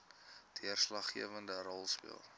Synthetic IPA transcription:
tʰiərslɐχːiəvəndəɾɔlˠspḭəlˠ

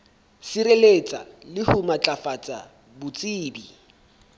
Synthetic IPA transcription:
siɾelet͡sʼa̰lɪhʊmat͡ɬʼafat͡sʼa | bʊt͡sʼiːbi

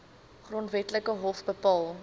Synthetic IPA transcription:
χrɔntvɛtləkəɦɔfbəpɑːlˠ

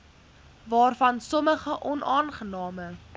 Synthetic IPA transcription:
vɑːrfɐnsɔməχəʔɔnʔɑːnχənɑːmə

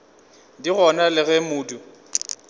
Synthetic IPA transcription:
diɣɔnalɪɣɛmʊːdu

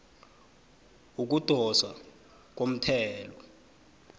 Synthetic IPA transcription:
uk̬ud̥ʱɔsa | k̬om̩tʰɛːlɔ

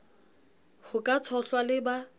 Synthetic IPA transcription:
hʊkʼat͡sʰɔɬwalɪba

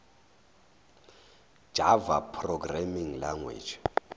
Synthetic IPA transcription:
ʒ̥ʱavapʰrɔɡramiŋlaŋwḛːt͡ʃʰɔ̥

